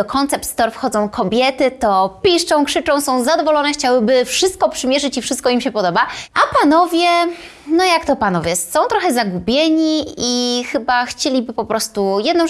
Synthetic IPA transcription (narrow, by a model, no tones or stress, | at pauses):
ɔkʰɔnt̪sɛp̚t̪st̪ɔɾfxɔd̪zɔ̃w̃kʰɔbʲjɛt̪ɘt̪ɔpʲiʂt͡ʂɔ̃w̃kʂɘt͡ʂɔ̃w̃sɔ̃w̃zad̪ɔvɔlɔnɛxt͡ɕawɘbɘfʂɘst̪̚kɔpʂɘmʲjɛʐɘt͡ɕifʂɘst̪kɔimɕɛpɔd̪ɔbaʔapanɔvʲjɛ | nɔjakt̪ɔpanɔvʲjɛsɔ̃w̃t̪ɾɔxɛzaɡubʲjeɲiixɘbaxt͡ɕelʲibɘpɔpɾɔst̪ujɛd̪nɔ̃w̃